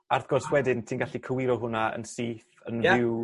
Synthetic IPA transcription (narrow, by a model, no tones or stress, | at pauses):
arθɡ̥ɔrswɛdɪntʰinɡaɬikʰəwɪɾɔɦʊnaə̰nsiːθə̰nvɪw